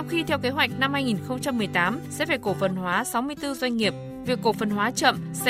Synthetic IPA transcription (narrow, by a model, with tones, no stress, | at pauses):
a˧wŋ͡mxi˧t̪ʰɛ˧wke˨˦ɦwa˨˩jk̟̚na˧mhaː˧jŋi˨˩nxə˧wŋ͡mt͡ɕa˧mːɨ˨˩əjt̪aː˨˦msɛ̰˧˥faː˧˩ko˧˩fə˨˩nhwaː˨˦sa˨˦wmɨ˧əjt̪ɨ˧zwa˧jŋ̟ŋi˨˩əp̚ | vi˨˩əkːo˧˩fə˨˩nwaː˨˦t͡ɕə̰˧˨msɛ̰˧